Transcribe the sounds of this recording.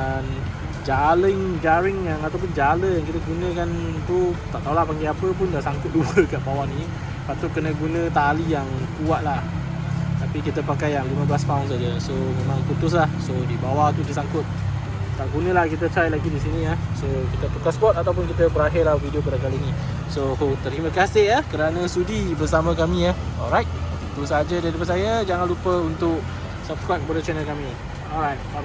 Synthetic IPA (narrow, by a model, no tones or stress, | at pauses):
an | d͡ʒaləŋd͡ʒaɾɪŋjaŋat̪awp̬ʊnd͡ʒaləjaŋkit̪əɡunə̃kant̪ut̪aʔt̪aulahpaŋɡeapəpʊndasaŋkʊt̪̚dupəkaʔbawaʔnĩ | pat̪ʊʔ̚kənə̃ɡunə̃t̪alijaŋkuaʔlah | t̪apikit̪əpakajaŋlimə̃blast̪auns̬ad͡ʒəsomemãŋput̪ʊs̬lahsodibawaht̪ukit̪əsaŋkʊt̪̚ | t̪aʔɡunə̃lahkit̪̬ət̪ɾajlaɡidisinĩəhsokit̪ət̪ukaspɔt̪at̪awpʊnkit̪əbəɾaɦɪrlahvidiok̬adakalini | sohot̪əɾiməkasɪʔahkəɾanə̃sudibəsamãkamĩəhɔlɾajt̪̚t̪it̪usaad͡ʒədadəp̬at̪sajəd͡ʒaŋanlupəunt̪ʊk̚ | sab̚skɾap̚bɔdət͡ʃɛnəlkami | ɔlɾajt̚